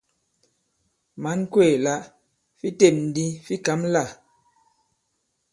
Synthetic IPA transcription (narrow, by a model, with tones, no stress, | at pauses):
ma˨˦nkwe˦˨la˦ʔ | fi˦te˨p̚n̩˨di˦fi˦ka˨˦mla˦˨